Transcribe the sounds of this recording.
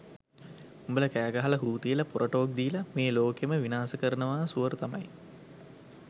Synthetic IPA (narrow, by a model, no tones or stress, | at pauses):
umbələkæːɡaɦaləɦuːt̪ijəlapoɾʔoʈoːk̚d̪iːlameːloːkeməʋinaːsəkəɾənəʋaːsuʋəɾut̪amɐ̰j